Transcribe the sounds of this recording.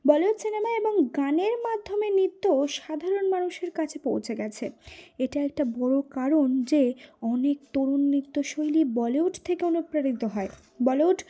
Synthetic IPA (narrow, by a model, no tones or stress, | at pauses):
bɔleoʈsinemaeboŋɡaneɾmad̪ʱːomenit̪ːoʃad̪ʱaɾonmanuʃeɾkat͡ɕʰepowt͡ɕʰeɡɛt͡ɕʰeeʈaɛk̚ʈabɔɽokaɾond͡ʑeɔnekt̪oɾunːit̪ːoʃojlibɔleoʈt̪ʰekeonupɾaɽit̪oɦɔe | bɔlewʈ